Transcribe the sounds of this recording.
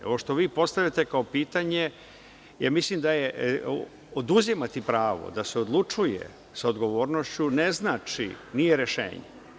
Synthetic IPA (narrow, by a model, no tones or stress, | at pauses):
oʋoʃt̪o̞ʋiːpo̞st̪aʋjat̪e̞kao̞piːt̪aɲe̞ | ja̰ːmislimd̪aje | od̪uzimat̪ipɾaːʋo̞̰d̪aseo̞d̪lˠut͡ʂujḛ | sao̞d̪ɡo̞ʋoːɾnoʃt͡ɕuneznaːt͡ʂḭnijeɾeʃḛːɲḛ